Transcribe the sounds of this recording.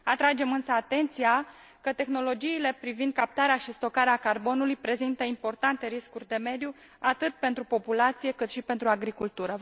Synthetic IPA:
at̪ɾad͡ʒe̞mɨnsəat̪e̞nt̪sia | kət̪e̞xno̞lo̞d͡ʒiːle̞pɾivind̪̚kap̚t̪aɾeaʃist̪o̞kaɾeakarbo̞nulujpɾe̞zint̪əimpo̞rt̪ant̪e̞ɾiskurʲd̪e̞me̞d̪ju | at̪ɨt̪pe̞nt̪ɾupo̞pulat̪sije̞kɨt̪ʃipe̞nt̪ɾuaɡɾikult̪uɾə

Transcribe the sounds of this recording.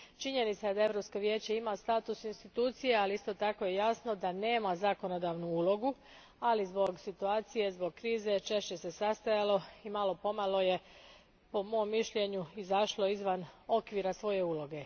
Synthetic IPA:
t͡ʃiɲe̞nit̪sajed̪ae̞ʋɾo̞pskoʋje̞ːt͡ɕeimast̪aːt̪usinst̪it̪uːt̪sije̞aliist̪o̞t̪ako̞je̞jasno̞d̪ane̞ːmazako̞no̞d̪aːʋnuuːlo̞ɡu | alizbo̞ɡsit̪uaːt̪sije̞zbo̞ɡ̚kɾiːze̞t͡ʃe̞ʃt͡ɕe̞se̞sast̪ajalo̞imalo̞po̞malˠo̞je̞ | po̞mo̞mːiʃʎe̞ɲuizaʃlo̞izʋano̞kʋiɾasʋo̞je̞uːlo̞ɡe̞

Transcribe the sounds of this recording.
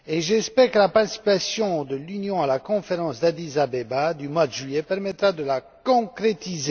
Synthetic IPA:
eʒɛspɛʁkəlapaʁt̪i̥sipasjɔ̃d̪əlynjɔ̃alakɔ̃feʁɑ̃sd̪ad̪izabebad̪ymwad̪əʒɥiepɛʁmɛt̪ʁad̪əlakɔ̃kχet̪ize

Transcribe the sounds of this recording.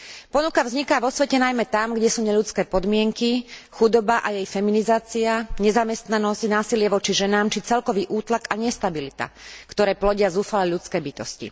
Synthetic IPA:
pɔnukavzɲikaːʋɔsʋɛcɛnajmɛt̪amɡɟɛsuːɲɛʎut͡skɛːpɔd̪mɪɛŋkixud̪ɔbaʔajɛjfɛminizaːt͡siaɲɛzamɛst̪nanɔscnaːsilɪɛʋɔt͡ʃiʒɛnaːmt͡ʃit͡sɛlkɔʋiːʔuːt̪lakaɲɛst̪abilit̪a̰kt̪ɔɾɛːplɔɟɪazuːfalɛʎut͡skɛːbit̪ɔscḭ

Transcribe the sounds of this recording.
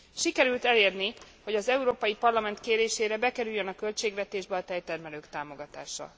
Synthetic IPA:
ʃikɛɾylt̪ɛleːrni | ho̞ɟɒzɛuɾoːpɒjipɒrlɒmɛnt̪keːɾeːʃeːɾɛbɛkɛɾyjːønɒkø̞lt͡ʃeːɡʋɛt̪eːʒbɛɒt̪ɛjt̪ɛrmɛløːkt̪aːmo̞ɡɒt̪aːʃɒ̰

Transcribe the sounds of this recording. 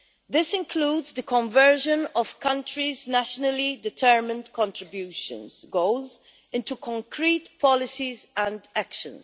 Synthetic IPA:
ðɪsɪ̃nkʰluːdzðəkʰɔ̃ɱvɜ˞ʒə̃nɔv̥kʰʌ̃ntɹiznæʃənəlidɪtʰɜ˞mɪ̃ndkʰɔ̃ntɹɪbjuʃə̰̃nzɡoʊlz | ɪ̃ntukʰɔ̃ŋkʰɹitpʰɔlɪsizə̃ndakʃə̰̃nz̥

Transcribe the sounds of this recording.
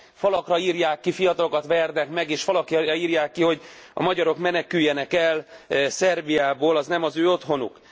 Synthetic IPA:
fɒlɒkrɒiːrjaːkːifijɒt̪ɒlo̞kɒt̪ʋɛrd̪ɛkmɛɡeːʃfɒlɒkjɒɒiːrjaːkːiho̞ɟ | ɒ̰mɒɟɒɾo̞kmɛnɛkyjːɛnɛkɛlsɛrbijaːboːlɒznɛmɒzøːo̞t̪ɦo̞nṵk

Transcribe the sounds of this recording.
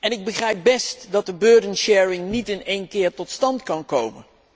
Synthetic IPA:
ɛnɪɡ̚bəχrɛjp̚bɛstdɑt̚dəbøːɹdənʃɛːɹɪŋnitɪnejnkɪːɹtɔtstɑntkɑnkowmən

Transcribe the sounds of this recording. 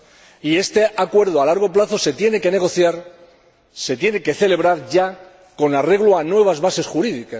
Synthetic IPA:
ie̞st̪e̞akwe̞ɾð̞oalaɾɣ̞o̞plaθo̞se̞t̪je̞ne̞ke̞ne̞ɣ̞o̞θjaɾ | se̞t̪je̞ne̞ke̞θe̞le̞β̞ɾaɾʝa | ko̞nare̞ɣ̞loanwe̞β̞azβase̞sxuɾiðika

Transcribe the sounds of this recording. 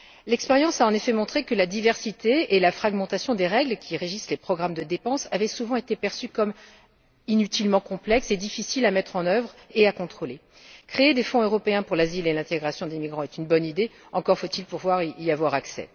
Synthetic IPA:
lɛkspɛʁjɑ̃saɑ̃nefɛmɔ̃t̪χekəlad̪ivɛʁsit̪eːlafχaɡmɑ̃t̪asjɔ̃d̪eʁɛɡlkʲiʁeʒislepχɔɡʁamd̪əd̪epɑ̃savɛsuvɑ̃et̪epɛʁsykɔm | inyt̪ilmɑ̃kɔ̃plɛksed̪ifisilamɛt̪χɑ̃nœvʁeakɔ̃t̪χole | kχeːd̪efɔ̃øʁɔpeɛ̃puʁlazilelɛ̃t̪eɡʁasjɔ̃d̪emiɡʁɑ̃ɛt̪ynbɔnid̪e | ɑ̃kɔʁfot̪ilpuʁvwaʁiiavwaʁaksɛ̰

